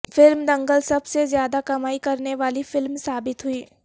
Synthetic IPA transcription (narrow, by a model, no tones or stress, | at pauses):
fɪlmd̪ɐ̃ŋɡəlsɐbsezjaːd̪akɐmaːikɐɾneʋaːlifɪlmsaːbɪt̪ɦʊiː